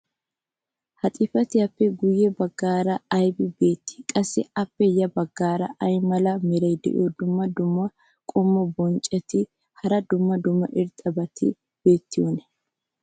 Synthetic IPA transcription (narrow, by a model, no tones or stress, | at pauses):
hɐt̪ʼɪfɐt̪ɪjɐpːɛɡʊjːɛbɐɡːaːɾɐɐjbɪbe̞ːt̪ːɪ̥kʼɐsːɪɐpːɛjɐbɐɡːaːɾɐ̰ʔɐjmɐlɐmɛɾɐjd̪ɛ̰ʔɪ̰jod̪ʊmːɐd̪ʊmːɐ | kʼʊmːɔbɔnt͡ʃʼːɛt̪ɪ | hɐɾɐd̪ʊmːɐd̪ʊmːɐʔɪɾt̪ʼɐbɐt̪ɪ̰ | b̥eːt̪ːɪjonɛ̥